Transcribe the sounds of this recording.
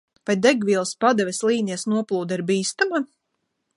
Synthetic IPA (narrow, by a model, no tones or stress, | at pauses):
vajd̪ɛɡvʲiːlˠspad̪ɛvʲɛslˠiːnʲiɛsnuɔplˠuːd̪iɾbiːst̪ama